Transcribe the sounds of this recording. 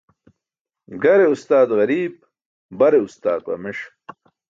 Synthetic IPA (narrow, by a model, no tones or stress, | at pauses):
ɡɐɾeust̪aːd̪ɣɐɾiːb̚ | bɐɾeust̪aːt̪̚pɐ̰meʂ